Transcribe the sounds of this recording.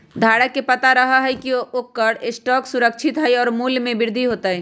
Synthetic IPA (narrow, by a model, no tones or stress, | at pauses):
d̪ʱaːɽəkːepɐt̪aɾəɦaɦɛkiokːəɾesʈɔːksʊɾəkt͡ʃʰɪt̪ɦɛjɔːɾmuːlmẽbɪɾd̪ʱiɦoːt̪aɦɛː